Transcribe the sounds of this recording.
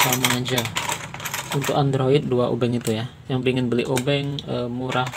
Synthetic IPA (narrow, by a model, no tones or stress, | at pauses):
saməŋad͡ʒa | unt̪ʊkand̪ɾoɪt̪̚duaʔo̰bɛŋit̪uja | jaŋpiŋɪnbəliʔobɛŋəmuɾah